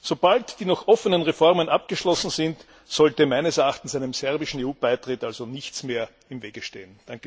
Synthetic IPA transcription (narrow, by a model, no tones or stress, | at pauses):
sob̥altd̥iːnɔxʔɔfənənʁefɔʁmənʔap̚ɡ̥əʃlɔsn̩zɪnt | sɔltəmæɪnəsɛɐaxtn̩sæɪnəmsɛɐbɪʃn̩eːuːb̥aɪtʁ̥ɪtalzonɪçt͡smeːɐ | ɪmveːɡəʃteːənd̥aŋkə